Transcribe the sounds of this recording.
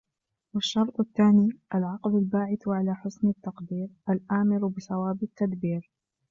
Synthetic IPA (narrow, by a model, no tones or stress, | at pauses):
waʃːɑɾˤt̪ˤaθːaːniːʔalʕɑqlalbaːʕɪθʕalaːħʊsnɪt̪ːɑqd̪iːɾʔalʔaːmɪɾbɪsawaːbɪt̪ːad̪biːɾ